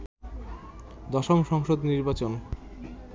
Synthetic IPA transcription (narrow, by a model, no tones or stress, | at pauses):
d̪ɔʃomʃɔŋʃod̪niɾbat͡ɕon